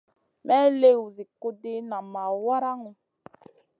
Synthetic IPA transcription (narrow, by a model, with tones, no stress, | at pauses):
mɛ˦le˦wu˨zi˨ko˦de˦nã˨ma˨wa˦ɾa˦ŋũ˨